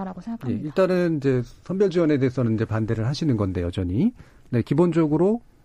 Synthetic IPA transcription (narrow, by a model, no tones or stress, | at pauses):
aɡosŋje̞iɭt͈anɯnind͡ʑe̞sʰʌnbjʌɭd͡ʑiwʌne̞de̞ːsʰʌnɯnind͡ʑe̞pande̞ɾɯɭɦhaɕʰinɯnɡʌnde̞jʌd͡ʑʌɲi | ne̞kibond͡ʑʌɡɯɾo